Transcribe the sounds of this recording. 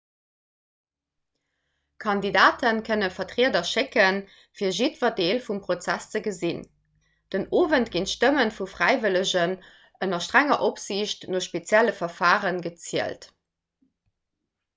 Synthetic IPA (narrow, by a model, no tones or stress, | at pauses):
kʰɑndidaːtənkʰənəfɐtʁiədɐʃekən | fiːɐʒitv̥ɐdeːlfumpʁot͡sæst͡səɡəzin | d̥ənoːvəntɡintʃtəmənfufʁæɪvələʑən | ʔənɐʃtʁæŋɐʔopz̥iɕtnoːʃpet͡sjæləfɐfaːʁənɡət͡siəlt